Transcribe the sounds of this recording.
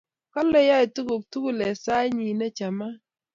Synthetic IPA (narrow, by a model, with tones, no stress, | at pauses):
kɔ˦lɛ˦ja˦i˨tu˦ɡo˨k̚tu˦ɡu˦˨lɛ˨sa˦ɲi˨nɛ˦t͡ʃa˨ma˦